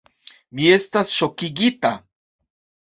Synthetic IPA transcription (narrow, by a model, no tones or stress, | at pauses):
miest̪asʃokiɡit̪a